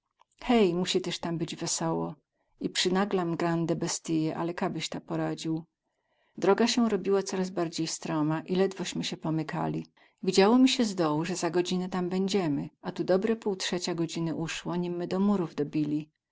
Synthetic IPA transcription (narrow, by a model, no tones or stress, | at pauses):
xɛjmuɕit̪ɛʂt̪ambɘd͡ʑvɛsɔwɔ | ipʂɘnaɡlamɡɾand̪ɛbɛst̪ɘjɛʔa̰lɛkabɘɕt̪apɔɾad͡ʑiw | d̪ɾɔɡaɕɛɾɔbʲiwat̪sɔɾazbaɾd͡ʑejst̪ɾɔmaʔilɛd̪vɔɕmɘɕɛpɔmɘka̰lʲi | vʲid͡ʑawɔmʲiɕɛzd̪ɔwuʐɛzaɡɔd͡ʑinɛt̪ambɛɲd͡ʑɛmɘat̪ud̪ɔbɾɛpuwtʂɛt͡ɕaɡɔd͡ʑinɘʔuʂwɔɲimːɘd̪ɔmuɾuvd̪ɔbʲilʲi